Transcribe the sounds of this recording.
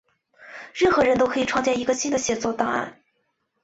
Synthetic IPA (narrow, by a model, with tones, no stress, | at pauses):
ɻə˥˩nxɤ˧˥ɻə˧˥nt̪o˥kʰi˨˩ʈ͡ʂʰwɑ˥˧ŋt͡ɕjɛ˥˩ni˧˥ɡə˧ɕi˥nd̪ə˨ɕjɛ˨˩t͡swɔ˥˧t̪a˥˧a̰˥˩n